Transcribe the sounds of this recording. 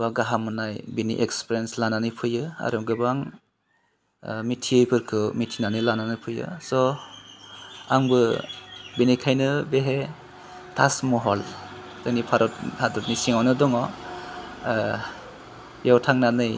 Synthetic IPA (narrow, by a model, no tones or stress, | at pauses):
baɡaɦamɯnajbinḭʔekspɾjenslananɯjpʰɯjɯa̰ɾɯɡɯbaŋ | mitʰiɯjpʰɯɾkʰɯmitʰinanɯjlananɯpʰɯjɯ̰sɔ | aŋbɯ | binikʰajnɯbeɦe | tʰasmɔɦɔl | tɯnipʰaɾɔt̚hadɔtnisiŋawnɯdɔŋɔ | jawtʰaŋnanɯj